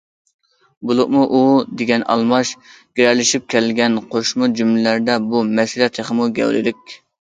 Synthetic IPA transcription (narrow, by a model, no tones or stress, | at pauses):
bulˠʊʔmuʔud̪eɡʲɛnɑ̰lˠmɑʃ | ɡ̥ʲeɾæɾlɪʃip̚kʲʰɛlɡʲɛnqʰoʃmud͡ʒymlɪlæɾd̪ɛbumɛsiɾɛt̪jeχəmuɡʲɛ̰wlɪ̰lɪkʲ